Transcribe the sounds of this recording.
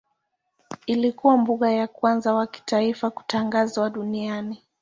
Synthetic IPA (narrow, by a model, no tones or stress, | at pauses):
ilikuwambuɠajakwanzawaki̥taifaku̥taŋɡazwaɗuniani